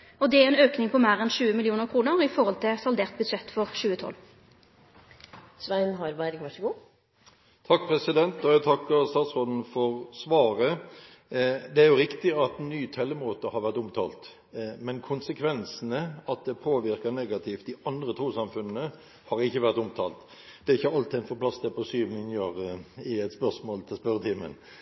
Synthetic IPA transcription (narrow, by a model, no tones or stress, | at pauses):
ɔd̪ɛæʁɛnøːknɪŋpʰɔmæːʁɛnʃʉːəmɪlɪuːnəʁkʰʁuːnəʁɪfɔʁhɔlt̪ʰɪsɑld̪eːʁt̪̚bʉd̪ʂɛt̪ːfɔʁʃʉːət̪ʰɔ̰lː | sʋæɪnɦɑɾbæɾɡʋɑʂəɡuː | t̪ʰɑk̚ːpʰɾɛsɪd̪ɛnt̪ɔjæt̪ʰɑkːəɾst̪ɑːt̪sʁoːd̪n̩fɔʁsʋɑːʁə | d̪ɛæɾjʊɾɪkt̪ɪɑt̪nyːt̪ʰɛlːəmoːt̪əhɑɾʋæʁt̪ʊmt̪ʰɑ̰ːlt̪ | mɛnkʰʊnsəkʰʋɛnsən̩əɑt̪̚d̪ɛpʰoːʋɪɾkəneːɡɑt̪ʰɪft̪̚d̪ɪʔɑnd̪ʁət̪ʰɾuːsɑmfʉnn̩ə | hɑɾɪçːəʋæʁt̪ʊmt̪ʰɑ̰ːlt̪ | d̪̥ɛɾɪçːəɑlt̪ɪɛɪnfɔɾpʰlɑsd̪ɛpʰɔsyːʋnɪnjøːʁɪɛt̪spœʁsmoːlt̪ʰɪlspœɾət̪ʰɪmə̰n